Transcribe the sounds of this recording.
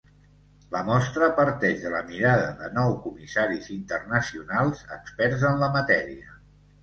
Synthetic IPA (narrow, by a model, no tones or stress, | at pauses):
ləmɔst̪ɾəpəɾt̪ɛʒðələmiɾaðəðənɔwkumisaɾizint̪ərnəsiunalˠzə̰kspɛrzənləmət̪ɛɾiə